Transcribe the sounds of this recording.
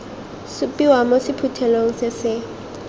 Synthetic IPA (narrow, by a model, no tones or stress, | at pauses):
sʊpʼiwamosɪpʰutʰɛloŋ̩sɪsɪ